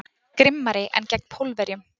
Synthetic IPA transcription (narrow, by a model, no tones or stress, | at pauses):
kɾɪmːaɾɪʔɛ̰ncɛknpʰowlvɛɾjʏm